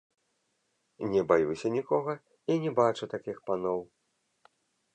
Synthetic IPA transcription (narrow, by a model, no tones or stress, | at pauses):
nʲɛbajusʲɐnʲikɔɣɐ | inʲɛbat͡ʂut̪akʲixpanɔw